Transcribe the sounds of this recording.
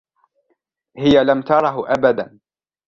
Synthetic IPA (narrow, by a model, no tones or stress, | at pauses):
hɪjalamt̪ɑɾˤɑɦʔabad̪an